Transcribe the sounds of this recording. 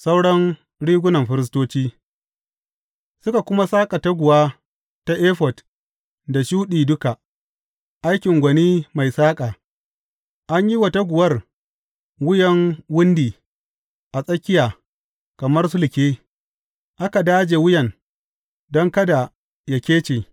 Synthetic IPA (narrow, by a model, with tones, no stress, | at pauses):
sa˦wɽɐ˦ŋ | ɽiː˦ɡʷʊ˦nɐ˨mɸɪ˦ɾɪ˦s̬toː˦t͡ʃiː˦ | sʊ˦ka˨kʷʊ˦ma˦saː˦kʼa˨ta˦ɡʷʊ˨waː˦ | ta˦ʔeː˦ɸɔ˨t | da˨ʃuː˦ɗiː˨dʊ˦ka˨ | ʔa˦jkʲɪ˨ŋɡʷɐ˨niː˦ma˨jsaː˦kʼaː˨ | ʔa˦ɲji˦wɐ˨ta˦ɡʷʊ˨wɐ˦r | wʊ˦jɐ˦ŋwʊ˦ndiː˨ | ʔa˨sʼɐ˦kʲɪ˦jaː˨ | kɐ˨mɐ˦rsʊ˦lɪ˨kʲeː˦ | ʔa˦ka˨daː˦d͡ʒe˨wʊ˦jɐ˨n | dɔ˦ŋkɐ˦da˨ | ja˦kʲeː˦t͡ʃeː˨